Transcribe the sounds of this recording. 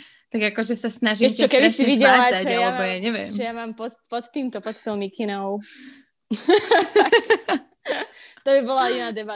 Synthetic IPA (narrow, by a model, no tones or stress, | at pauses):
t̪aɡakɔʒɛsasnaʒiɛɔskɛbisiʋiɟɛlazaɟʒɛjajalɛbɔjaɲɛʋɪɛ̰mʒɛjamaːmpɔt̪pɔt̪t̪iːmt̪ɔpɔt̪t̪ɔʊmikinɔʊ | t̪ɔbibɔlainaːd̪ɛba